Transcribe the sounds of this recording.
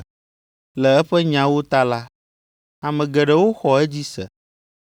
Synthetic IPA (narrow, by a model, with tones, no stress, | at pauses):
lɛ˨ɛ˦ɸɛ˦ɲã˨wo˦t̪a˦la˦ | a˨mɛ̃˨ɡɛ˨ɖɛ˨wo˦xɔ˨ɛ˦d͡ʑi˦sɛ̰˨